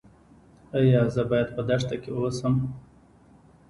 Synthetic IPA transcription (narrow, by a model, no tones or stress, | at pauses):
ajɑzəbɑjad̪̚pəd̪aʂt̪akeasəm